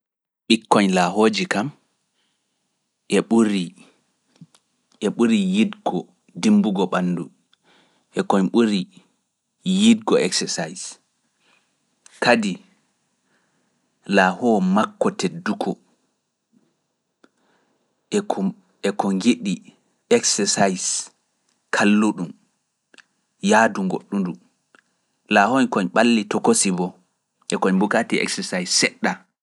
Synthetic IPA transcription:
ɓikːɔɲlaɦoːd͡ʒikam | ʔɛɓuɾi | ʔɛɓuɾijidɡɔ | dimbuɡɔɓanːdu | ʔɛkɔɲɓuɾi | jidɡɔɛ̰ksɛsajs | kadi | laːhɔmakːɔtedːukʰɔ | ɛkɔŋɡiɗi | ɛksɛsajs | kʰalːuɗum | jaduŋɡo̰ɗːundu | lahɔnkɔɲɓalːitɔkosibɔ | ʔɛkɔɲbukatiɛ̰ksɛsajsːɛɗːa

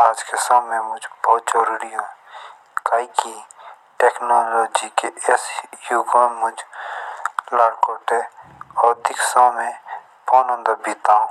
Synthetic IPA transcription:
aːd͡ʒkesaːẽmʊd͡ʒbɔːt̪d͡ʒəɾuːɾiɦõ | kaːiki | ʈeːknoːloːd͡ʒikeesjuːkomʊd͡ʒ | laːɽkoːʈɛɔːɾd̪ɪksãːmẽ | pɔːnə̃nd̪əbit̪aːũ

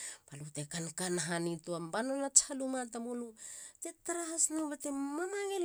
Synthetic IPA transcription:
palutekankanɦanituambanonat͡ʃalumat̬amolutetaɾaɦasnaβatemamaŋel

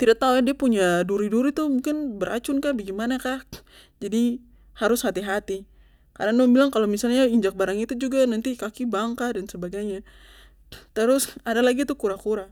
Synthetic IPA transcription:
t̪idat̪aujadiapuɲaduɾiduɾit̪umũŋkɪnbəɾʔa̰t͡ʃʊnkahbaɡimanakah | d͡ʒadi | haɾʊshat̪iɦat̪i | ka̰ɾanubilaŋkalomisalɲaiɲd͡ʒak̚baɾaŋit̪ud͡ʒuɡanant̪ikakibaŋkadansəbaɡajɲa | t̪əɾʊsadalaɡit̪ukuɾakuɾa

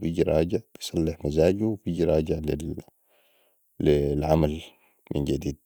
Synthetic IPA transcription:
biɟiɾˤɑːɟɪʕbisˤɑlːɪħmazaːɟuwbiɟiɾˤɑːɟɪʕli | lilʕamal | mɪnd͡ʒad̪iːd̪̚

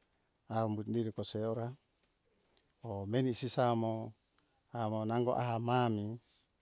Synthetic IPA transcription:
aumbut̪̚niɾikɔsɛoɾa | omenisisamo | amonaŋɡo̰ʔaɦamami

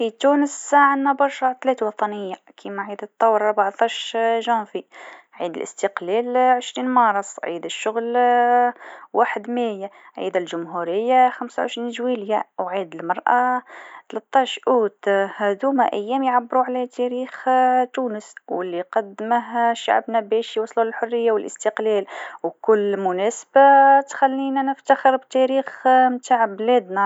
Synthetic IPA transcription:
fit̪unəsʕanːæbɑɾˤʃɑt̪læːt̪wɑt̪ˤɑnəjːakʰimaʕiːd̪ət̪ˤːɑwːɾˤɑɾbaʕt̪ˤɑːʃʒɑ̃ːfi | ʕḭːd̪əlʔə̰st̪əqlælʕəʃɾiːnmɑɾˤɑsˤʕḭːd̪əʃːʊɣl | waːħəd̪mæjaʕḭd̪ælʒʊmɦuɾəjːaxamsawʕə̰ʃɾiːnʒwiljawʕiːd̪əlmɑɾˤʔat̪læt̪ˤːɑʃʔuːt̪hæd̪umæʔæjːæːmjʕabːəɾuʕlæt̪ʰæɾiːxt̪uːnəswəlːiqɑd̪ːməɦʃːa̰ʕbnæbɛʃjwɑsˤluləlħʊrːəjːawəlʔəst̪əqlælwkʊlːmʊnæsb̥at̪xælːinænəft̪axəɾbt̪æɾiːxmt̪aʕblæd̪næ

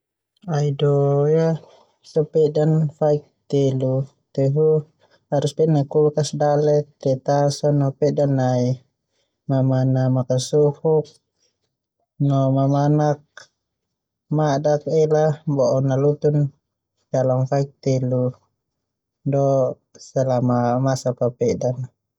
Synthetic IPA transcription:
aidɔja | sɔpɛdanfaik̚t̪ɛlu | t̪ɛɦu | haɾuspɛnaikulkasdalɛt̪ːɛt̪asɔnɔpɛʔdanai | mamanamakasuhuk̚ | nɔmamanak̚ | madak̚ɛlabɔʔɔnalut̪un | d͡ʒalaŋfaik̚t̪ɛlu | dɔ | sɛlamamasapapɛdan

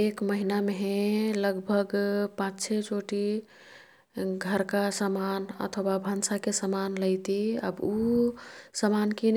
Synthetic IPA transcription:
ekməɦinameɦẽləɡbʱəɡpãt͡ʃt͡ʃʰet͡ʃoʈi | ɡʱəɾkasəmanə̰t̪ʰəwabʱənsakesəmanlət̪iə̰bu | səmankin

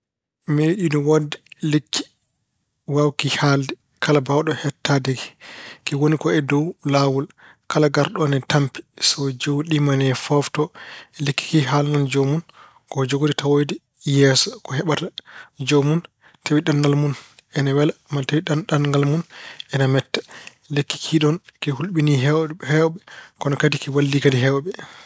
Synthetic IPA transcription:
meɗidɔwadɛlikːi̥ | wawkihaldɛ | kʰalabawɗɔhɛtːadɛɡɛkɛwonikɔɛdɔwlawul | kalaɡaɾɗɔnɛtampi̥sɔd͡ʒowɗimanɛfɔftɔɛlikːi̥kiɦalnɔnd͡ʒomun | kɔd͡ʒoɡoditawojdi | jɛːsɔkɔhɛɓatad͡ʒomun | tʰewiɗanɡalmunʔɛnawɛlamatewiɗanɗanŋɡalmunɛnamɛtːḁ | lekːi̥kʰiɗɔnkɛhulɓiniɦɛwhɛwɓɛkɔnɔkadikɛwalːikadiɦɛwɓɛ

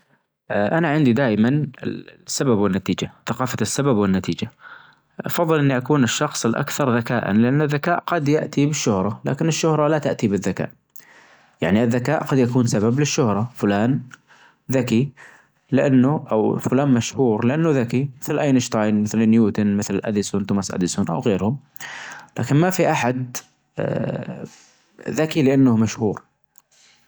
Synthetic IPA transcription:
ʔʔanaʕɪnd̪id̪aːʔmanɪ̰sːababwɪnːat̪iːd͡ʒaθaqɑːfasːababwɪnːat̪iːd͡ʒa | ʔɑ̰fɑðˤːɨlʔɪnːiʔakuːnɪʃːɑxsˤɪlʔa̰kθɑɾˤðakaːʔa̰nlɪʔanːaðːakaːʔqɑd̪jaʔt̪ibɪʃːʊhɾˤɑla̰ːkɪnɪʃːʊhɾˤɑlat̪aʔt̪ibɪðːaka̰ːʔ | ja̰ʕniʔɪðːakaːʔqɑd̪jakuːnsabablɪʃːʊhɾˤɑfʊlaːn | ðaki | lɪʔanːʊʔawfʊlaːnmaʃhuːɾlɪʔanːʊðakimɪθlʔajnɪʃt̪ˤɑːjnmɪθlɪnjuːt̪ʊnmɪθlʔa̰d̪ɪsunt̪ʊmasʔa̰d̪ɪsʊnʔa̰wɣeːɾhʊm | la̰ːkɪnmafiʔaħad̪ | ðakilɪʔanːʊhmaʃhuːɾ

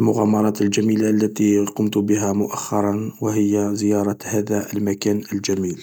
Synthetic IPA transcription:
lmʊɣæmɑɾˤɑːt̪əld͡ʒæmiːlaʔlːæt̪iqʊmt̪bəɦæmʊʔaxːɑɾˤɑnwəhɪjːazəjɑɾˤɑhæd̪æəlmækænəld͡ʒæmiːl

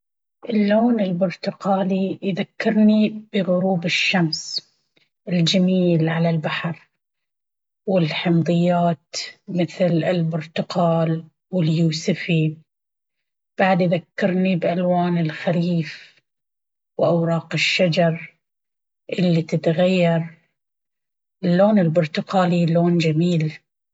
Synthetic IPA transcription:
ʔɪlːoːnɪlbʊɾt̪ʊqɑːlijðakːɪɾˤnib̥ɪɣʊɾuːbɪʃːams | ʔɪld͡ʒamiːlʕalalbaħɑɾˤ | wɪlħɪmd̪ˤɨjːaːt̪mɪθlɪlbʊɾt̪ʊqɑːl | wɪljuːsɪfi | b̥aʕd̪ðakːɑɾˤnibʔalwaːnɪlxaliːf | wʔawɾˤɑːqɪʃːad͡ʒɑɾˤ | ʔɪlːit̪ɪt̪ɣajːɑɾˤ | ɪlːoːnɪlbʊɾt̪ʊqɑːliloːnd͡ʒamiːl

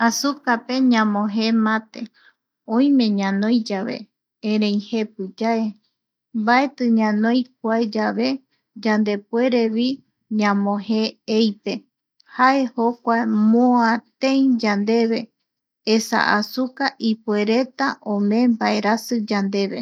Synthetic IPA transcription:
asukape̞ɲãmõɦe̞mãt̪e̞ | õj̃mẽ̞ɲãnõjd͡ʒaβe̞̰ | ẽɾẽj̃he̞p̚ɨd͡ʒae̞ | mbae̞t̪ɨɲãnõjk̚ʷaed͡ʒaβe̞ | d͡ʒand̪e̞pwe̞ɾe̞βi | ɲãmõheejpe̞ | hae̞ho̞kʷamoãt̪ẽĩd͡ʒand̪e̞βe̞ | esa̰ʔasukaʔipue̞ɾe̞t̪aʔõmẽmbae̞ɾasɨd͡ʒand̪e̞βe̞

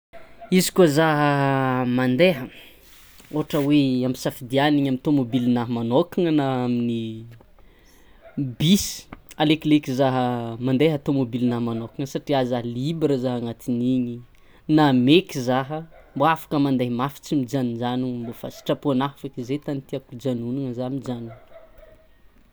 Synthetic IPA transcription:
izi̥kuozaɦəmand̪eɦə | oɦaʈ͡ʂəweamisafid̪ianiɲamint̪omobilinaɦəmanokaŋənaamini | bisi̥aleklekizaɦəmand̪eɦat̪omobilinaɦmanokaŋəsaʈ͡ʂiazaɦəlibɾəzaɦaŋat̪iniɲi | namekizaɦəmboafḁkəmand̪ajmafi̥t͡simid͡ʒanid͡ʒanumbofa̰si̥ʈ͡ʂapuanafakizet̪anit̪iakud͡ʒanunaŋəzamid͡ʒanuŋ

